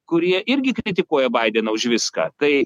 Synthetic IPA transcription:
kʊɾʲiɛʔɪɾʲɡʲɪkɾʲɪt̪ʲɪkuɔjɛbɐɪd̪ʲeːnɐʊʃʋʲɪskɑ̰ːt̪ɐɪ

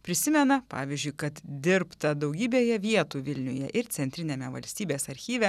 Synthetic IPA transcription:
pʲɾʲɪsʲɪmʲɛnɐpɑ̰ːʋʲiɪzʲd͡ʒʲʊɪkɐt̪d̪ʲɪɾpt̪ɐd̪ɐʊɡʲiːbʲeːjɛʋʲiɛt̪uːʋʲɪlʲnʲʊjɛʔɪɾt̪sʲɛnʲt̪ʲɾʲɪnʲeːmʲɛʋɐ̰lʲsʲt̪ʲiːbʲeːsɐɾʲxʲiːʋʲɛ

